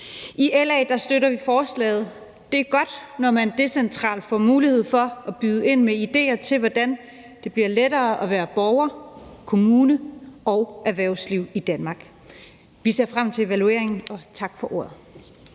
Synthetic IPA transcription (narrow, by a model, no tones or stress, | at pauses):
iʔelɛːd̥ɑ̈sd̥øɾɐʋifɒːslɛ̰ːɪð̞̩ˠ | d̥e̝æɐɡ̥ɒ̽d̥nɒmænd̥e̝sent͡sʰʁɑ̰̈ːld̥fɒ̰ːmuːliheð̞̰ˠfɒ̽ʔæb̥yðˠəe̝n̰meid̥e̝̰ːɐt͡sʰe̝lʋɒd̥æn | d̥e̝b̥liɐ̰ledɐːʔɒ̽ʋæːɐb̥ɒʊɐkʰo̝muːnəɒʊæʋæɐʊsliʊ̰id̥ænmɑ̈ːɡ̥ | ʋise̝ɐ̰fʁam̰t͡sʰe̝e̝ʋælue̝̰ɐ̰eŋn̩ɒ̽t͡sʰɑ̈ɡ̥fɒ̽ʔo̝̰ɐ̰ð̩ˠ